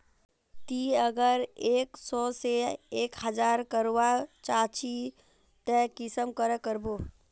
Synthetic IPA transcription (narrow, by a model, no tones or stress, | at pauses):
t̪iəɡəɾeːksɔseeːkhəd͡ʒaːɾkəɾwat͡ʃaːt͡ʃi | t̪ɛkɪsəmkəɾəkəɾboː